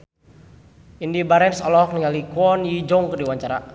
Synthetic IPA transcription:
indibaɾɛnsɔlɔk̚niŋalikwɔnjid͡ʒɔŋkərdiwaɲt͡ʃaɾa

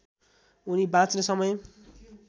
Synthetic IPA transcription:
unibãt͡snesʌmʌj

